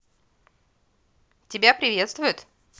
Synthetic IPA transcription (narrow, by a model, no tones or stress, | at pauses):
t̪ʲebʲjapɾʲivʲjet̪st̪vujət̪